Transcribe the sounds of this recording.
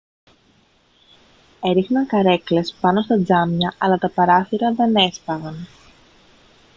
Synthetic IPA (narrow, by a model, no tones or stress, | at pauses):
e̞ɾixnɐŋkɐɾe̞kle̞spɐno̞st̪ɐd͡zɐmɲɐʔɐlɐt̪ɐpɐɾɐθiɾɐðe̞ne̞spɐɣɐn